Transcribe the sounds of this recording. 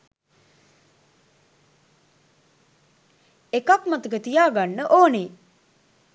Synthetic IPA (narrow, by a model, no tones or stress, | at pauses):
ekakmat̪əkət̪ijaːɡanːəʔoːneː